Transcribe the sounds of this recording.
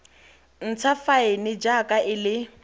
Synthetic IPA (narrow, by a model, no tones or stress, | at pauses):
n̩t͡sʰafaɪnɪd͡ʒakʼaʔɪlɪ